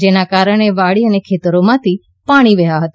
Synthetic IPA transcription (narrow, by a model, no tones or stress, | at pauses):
d͡ʒenakaːɾəɽ̃eʋaɽiənekʰeːt̪əɾomãt̪ʰi | paɽ̃iʋəɦaɦət̪a